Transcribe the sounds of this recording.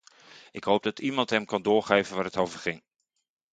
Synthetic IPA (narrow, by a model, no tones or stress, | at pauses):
ʔɪkɦowb̚dɑtimɑntɦɛmkɑndʊːɹχejvənʋaːrɦətowvəɹχɪŋ